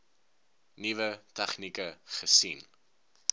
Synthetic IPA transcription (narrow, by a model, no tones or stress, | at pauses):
nivətɛχnikəχəsin